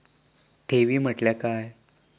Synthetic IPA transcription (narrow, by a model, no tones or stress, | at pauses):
t̪ʰeʋiːm̤əʈljakaj